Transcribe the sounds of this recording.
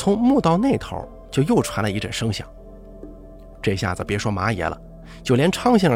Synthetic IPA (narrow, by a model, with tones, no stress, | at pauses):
t͡sʰʊ˧˥ŋmu˥˧t̪ɑ˥˧ʊne˥˩ɪt̪ʰo̰˧˥ʊ | t͡ɕjo˥˧ʊjo˥˩ʊʈ͡ʂʰwa˧˥nlə˧i˧˥ʈ͡ʂə˨˩nʂɤ˥ŋɕjɑ̰˨˩˦ŋ | ʈ͡ʂɤ˥˧ɕja̰˥˩d͡zɹ̩˩pjɛ˧˥ʂwɔ˥ma˧˥jɛ̰˧˥lə̰˧ | t͡ɕjo˥˩ʊljɛ˧˥nʈ͡ʂʰɑ˥ŋɕ̬jɛ˥˩ə˧